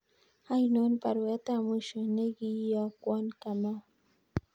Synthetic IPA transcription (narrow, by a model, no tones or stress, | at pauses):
hajnonpaɾwat̪amʊʃʊneɡijakwankama